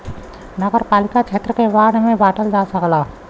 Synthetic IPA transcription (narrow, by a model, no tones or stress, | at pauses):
nəɡəɾpaːlɪkat͡ʃʰeːt̪ɾəkebaːɽmẽbaːʈəld͡ʒaːsəklaː